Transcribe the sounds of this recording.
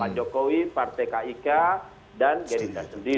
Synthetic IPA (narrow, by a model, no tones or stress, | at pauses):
ad͡ʒɔkowipart̪ɛkaika | danɡadindasəndi